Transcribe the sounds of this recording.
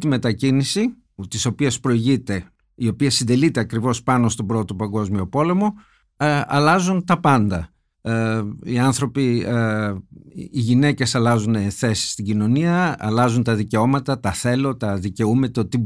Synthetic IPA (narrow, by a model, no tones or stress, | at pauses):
t̪ime̞t̪ɐcinisi | t̪iso̞piespɾo̞iʝit̪e̞ | io̞piɐsind̪e̞lit̪e̞ɐkɾivo̞spɐno̞st̪o̞bɾo̞t̪o̞pɐŋɡo̞zmio̞po̞le̞mo̞ | ɐlɐzunt̪ɐpɐnd̪ɐ | iɐnθɾo̞pi | iʝine̞ce̞sɐlɐzuneθe̞si̥st̪iɟino̞niɐɐlɐzunt̪ɐðice̞o̞mɐt̪ɐt̪ɐθe̞lo̞t̪ɐðice̞umet̪ot̪i